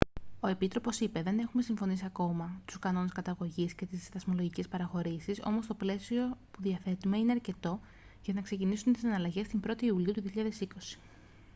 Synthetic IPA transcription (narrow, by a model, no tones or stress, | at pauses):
o̞e̞pit̪ɾo̞po̞sipe̞ðe̞ne̞xume̞siɱfo̞nisiɐko̞mɐt̪u̥skɐno̞ne̞skɐt̪ɐɣo̞ʝisce̞t̪isðɐzmo̞lo̞ʝice̞spɐɾɐxo̞ɾisiso̞̰mo̞st̪o̞ple̞sio̞puðiɐfe̞t̪ume̞ine̞ɐɾce̞t̪o̞ | ʝɐnɐkse̞cinisunt̪isɐnɐlɐʝe̞st̪imbɾo̞t̪iːuliut̪uðiçiʎɐðe̞siko̞si̥